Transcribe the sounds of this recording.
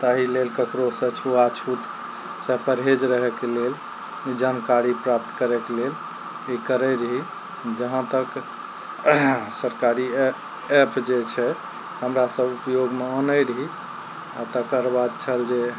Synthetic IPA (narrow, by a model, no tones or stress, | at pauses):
t̪aɦilelkəkɾosə̃t͡ʃʰuat͡ʃʰut̪ | sə̃pəɾɦed͡ʒɾəɦɛkelel | d͡ʒankaɾipɾap̚t̪kəɾɛkelel | ikəɾəɾəɦi | d͡ʒəɦə̃t̪ək | səɾkaɾi | epʰd͡ʒet͡ʃʰɛ | həmɾasəbupjoɡmeɔnəjɾəɦi | at̪əkəɾbad̪̚t͡ʃʰəld͡ʒe